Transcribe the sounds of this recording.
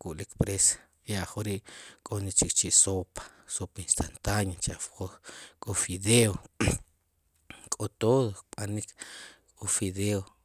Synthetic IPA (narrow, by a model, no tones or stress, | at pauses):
kuʔlikpɾesḁ | jaʔχoɾiʔkʼonit͡ʃikt͡ʃiʔsopḁ | sopinst̪ʰant̪anat͡ʃaʔfokʼofiðeo | kʼot̪oðokɓanikʰkʼofiðeo